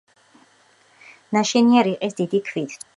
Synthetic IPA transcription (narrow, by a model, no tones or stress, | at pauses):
naʃɛniaɾiqʼisd̪id̪ikʰvit̪ʰ